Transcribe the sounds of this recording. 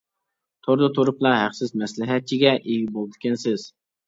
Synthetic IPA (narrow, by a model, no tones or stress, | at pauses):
t̪ʰoɾd̪ɨt̪ʰoɾʊplˠɑɦæχsɪzmɛslɪɦɛt̪̚t͡ʃʰiɡʲɛʔeɡʲibolˠd̪ɪ̥kʲʰɪnsɪz̥